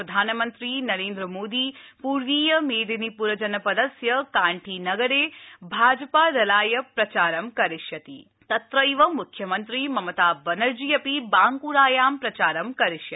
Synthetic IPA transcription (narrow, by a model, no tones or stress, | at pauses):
ɐd̪ʱaːnɐmɐnt̪ɾinɐɾeːnd̪ɾɐmoːd̪iːpuːɾʋiːjɐmeːd̪inipuɾɐd͡ʒɐnɐpɐd̪ɐsjɐkaːɳʈʰinɐɡɐɾeːbʱaːd͡ʒɐpaːɾɐlaːjɐpɾɐt͡ʃaːɾɐmkɐɾiʂjɐt̪ḭ | t̪ɐt̪ɾɐiʋɐmukʰjɐmɐnt̪ɾimɐmɐt̪aːbɐnɐɾd͡ʒijɐpibaːŋkuːɾaːjaːmpɾɐt͡ʃaːɾɐmkɐɾiʂjɐ